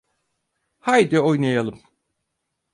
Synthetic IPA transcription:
hajd̪io̞jnajalˠɯm

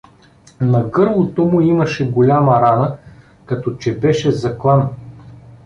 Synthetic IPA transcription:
nɐɡɤɾvˠot̪omʊimɐʃɛɡolʲamɐɾanə | kɐt̪ɔt͡ʃɛbɛʃɛzɐklˠan

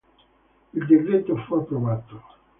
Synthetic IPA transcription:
ild̪iɾɾet̪ːofuapːɾoβat̪o

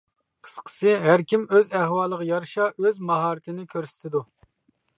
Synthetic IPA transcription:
qʰə̥sqʰə̥sɨɦæɾkʲimøzæhwɑːlˠəʁəjɑɾʃɑʔøzmɑɦɑːɾɪt̪ʰɪnɪkʲʰøɾsɪ̥t̪ʰɪd̪u

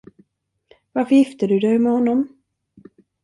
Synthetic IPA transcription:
vaɾfœɾjɪft̪əd̪ɵd̪ɛjmɛhɔnːɔm

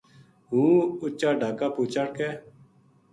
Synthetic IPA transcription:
ɦũːʊt͡ʃːaːɖʱaːkaːpoːt͡ʃaːɽkɛː

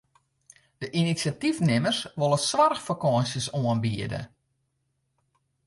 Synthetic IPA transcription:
d̥əʔinisjatifnɪmərsʋolˠəsʋarxfakɔənsjəsoənbiədə̰

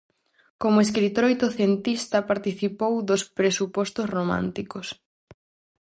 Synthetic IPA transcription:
komoes̬kɾit̪oɾojt̪oθjent̪ist̪ɐpaɾt̪iθipowðospɾesupɔst̪osromã̰nt̪ikos

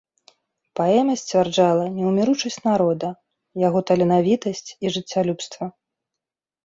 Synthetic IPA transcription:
paɛmʲɐsʲt͡sʲvʲard͡ʐalˠɐnʲɛwmʲiɾut͡ʂɐsʲt͡sʲnaɾɔd̪ɐ | jaɣɔt̪ɐlʲɛnavʲit̪ɐsʲt͡sʲiʐɨt͡sʲːalʲupst̪vɐ

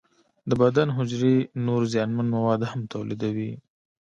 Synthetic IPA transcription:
d̪əbad̪anɦʊd͡ʒɾenoɾzjɑnmanmawɑd̪hamt̪awlḭd̪awi

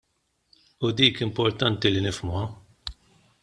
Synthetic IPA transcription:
ʊd̪iːkɪmpɔɾt̪ɐnt̪ilinɪfmuɐ

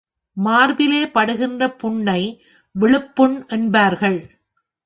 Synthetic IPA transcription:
maːɾbɪleːpɐɽɯɣɪndrɐpʊɳːɐɪ | ʋɪɭɯpːɯɳʔɛnbaːɾɣɐɭ

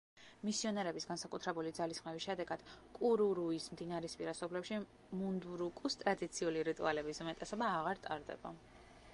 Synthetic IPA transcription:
misiɔnɛɾɛbisɡansakʼut̪ʰɾɛbulid̪zalisχmɛvisʃɛd̪ɛɡad̪̥kʼuɾuɾuismd̪inaɾispʼiɾasɔblɛpʃi | mund̪uɾukʼust̪ʼɾad̪it̪sʰiuliɾit̪ʼṵalɛbismɛt̪ʼɛsɔbaːʁaɾt̪ʼaɾd̪ɛ̰ba

